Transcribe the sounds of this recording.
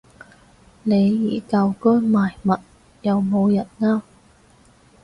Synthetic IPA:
ne˨˧jːiː˨˩kɐ˧wkɔː˥jmaː˨˩jmɐ˨t̚ | jɐ˨wmo˨˧wjɐ˨˩n̚ŋaː˥

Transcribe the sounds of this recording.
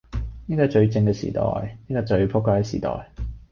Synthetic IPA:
niː˥kɔː˧t͡ʃɵ˧ɥt͡sɪ˧ŋkɛː˧sḭː˨˩t̪ɔ̰ː˨jniː˥kɔː˧t͡ʃɵ˧ɥpʰʊ˥kʷːaː˧˩kɛ˧sḭː˨t̪ɔ̰ː˨j

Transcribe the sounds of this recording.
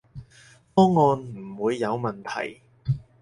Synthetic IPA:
fɔː˥ŋːɔː˧nm̩˨˩wuː˨˧jːɐ˨˧wmɐ˨nt̪ʰɐ̰˨˩j

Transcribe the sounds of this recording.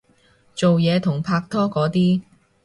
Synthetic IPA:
t͡so˨wjɛː˨˧t̪ʰʊ˨˩ŋpʰaː˧k̚t̪ʰɔː˥kɔː˨˥t̪iː˥

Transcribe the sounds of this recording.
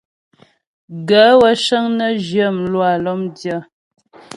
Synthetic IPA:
ɡə˨˦wə˦ʃə˦ŋnə˦ʒə˦˨m˨lwa˨lɔ˦mdjə˦˨

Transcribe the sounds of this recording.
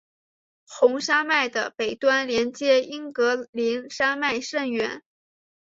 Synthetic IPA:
xʊ˧˥ŋʂa˥ma˥˩ɪd̪ə˩pe˨˩ɪt̪wa˥nljɛ˧˥nt͡ɕjɛ˥i˥ŋkɤ˧˥li˧˥nʂa˥ma˥˧ɪʂə˥˩ŋɥɛ˧˥n

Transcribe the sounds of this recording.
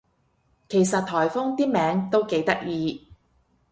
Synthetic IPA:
kʰe˨˩jsɐ˨t̪̚t̪ʰɔː˨˩jfʊ˥ŋt̪iː˥mɛː˨˧˥ŋt̪o˥wke˨˥jt̪ɐ˥k̚jiː˨˧

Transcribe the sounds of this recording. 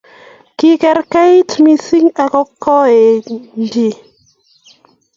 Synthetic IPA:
ki˦kɛ˨ɾka˦tmi˦si˦ŋa˨kɔ˦kːɔ˦e˨nd͡ʒi˨

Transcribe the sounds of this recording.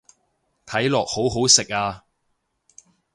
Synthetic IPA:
t̪ʰɐ˨˥jlɔː˨k̚ho˨˥wɦo˨˥wsɪ˨k̚aː˧

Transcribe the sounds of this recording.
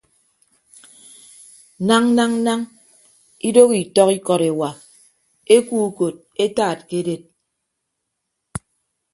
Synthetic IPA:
na˦ŋ˦na˦ŋ̩˦na˦ŋ | i˦do˦ki˨tɔ˦ki˦kɔ˨ɾe˨wa˨ | e˦kuː˦ko˨t̚e˦taː˦˨t̚ke˦de˦˨t̚

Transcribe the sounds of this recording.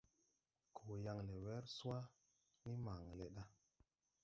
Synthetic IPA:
kʰo˨ja˨ŋle˨wɛ˦ɾsu˦a˦ | ni˦ma˨ŋle˨ɗa˦

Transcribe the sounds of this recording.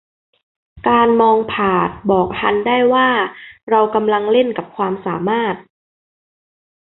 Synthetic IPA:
kaː˧nmɔː˧ŋpʰaː˨˩t̪̚bɔː˨˩k̚ha˧ndaː˥˩jwaː˥˩ɾa˧wka˧mla˧ŋle˥˩nka˨˩p̚kʰwaː˧msaː˩˦maː˥˩t̪̚

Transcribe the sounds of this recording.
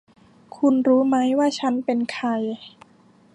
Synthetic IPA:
kʰu˧nɾuː˦˥ma˦˥jwaː˥˩t͡ɕʰa˦˥npe˧nkʰa˧j

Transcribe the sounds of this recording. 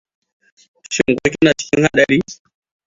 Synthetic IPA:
ʃɪ˨ŋ˨kʷo˦kʲi˦na˨t͡ʃɪ̥˦kʲɪ˦ŋha˦ɗɐ˨ɽiː˦

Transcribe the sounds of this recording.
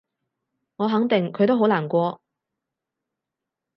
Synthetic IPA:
ŋɔː˨˧ɦɐ˨˥ŋt̪ɪ˨ŋkʰɵ˨˧jt̪o˥wɦo˨˥wlaː˨˩nkʷɔː˧

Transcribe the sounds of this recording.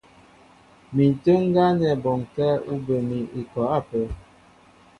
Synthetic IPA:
mi˨tə˦ŋ̩˦ɡa˦nɛ˨bɔ˨ŋ˨kɛ˦u˦bə˨mi˨i˨kɔ˨a˦˨pə˨˦

